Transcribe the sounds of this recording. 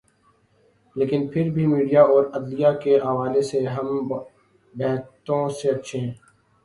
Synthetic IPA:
leːkɪnpʰɪɾbʱimiːɖijaɔːɾɐd̪lijakeɦɐʋaːleseɦɐm | bɛːɦt̪õseɐtːʃʰeɦɛ̃ː

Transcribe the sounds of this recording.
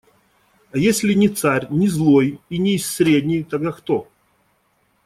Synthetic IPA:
ajesʲlʲɪnʲɪt̪saɾʲnʲɪzlˠojinʲɪːsʲɾʲed̪ʲnʲɪjt̪aɡ̚d̪akt̪o

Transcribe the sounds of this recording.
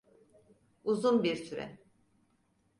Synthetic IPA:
uzunbiɾsʰyɾɛ̰

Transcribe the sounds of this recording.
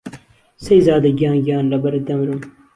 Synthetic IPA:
sɐjzɑːd̪ɐɡjɑːnɡjɑːnlɐbɐɾɐd̪ɐmɾum

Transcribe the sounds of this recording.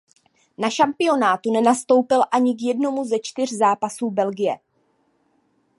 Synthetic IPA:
naʃampɪo̞naːt̪unɛnast̪o̞wpɪlʔaɲɪkjɛdno̞muzɛt͡ʃt̪ɪr̝zaːpasuːbɛlɡɪjɛ

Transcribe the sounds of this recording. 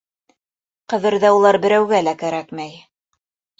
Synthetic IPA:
qɤ̆ðɤ̆ɾðæulˠɑɾbɘ̆ɾæwɡælækæɾækmæj

